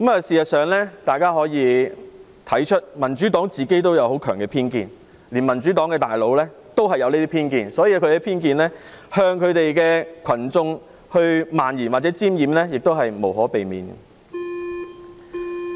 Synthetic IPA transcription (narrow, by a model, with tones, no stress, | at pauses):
kmɐː˨siː˨jɐ˨t̚sœː˨ŋlɛː˥t̪aː˨jkaː˥ɦɔː˨˥jiː˨˧ | t̪ʰɐ˨˥jt͡ʃʰɵ˥t̚mɐ˨˩nt͡ʃy˨˥t̪ɔː˨˥ŋt͡siː˨ke˥jt̪o˥wjɐ˧who˨˥wkʰœː˨˩ŋkɛː˧pʰiː˥nkḭː˧n | liː˨˩nmɐ˨˩nt͡ʃy˨˥t̪ɔː˨˥ŋkɛː˧t̪aː˨jlo˨˧wlɛː˥ | t̪o˥wɦɐ˨jːɐ˨˧wniː˥t̪i˥pʰiː˥nkiː˧nsɔ˨˥jiː˧kʰɵ˨˧ɛ˧˥pʰiː˥nkiː˧nlɛː˥ | hœː˧ŋkʰɵ˨˧ɥt̪e˨jkɛː˧kʰɐ˨˩nt͡sʊ˧ŋ | hɵ˧ɥmaː˨njiː˨˩nwaː˨˩t͡sɛː˨˥t͡siː˥mjiː˨mlɛː˥jɪ˨k̚t̪o˥whɐ˨jmo˨˩wɦɔː˨˥pe˨jmḭː˨nɛ̰˧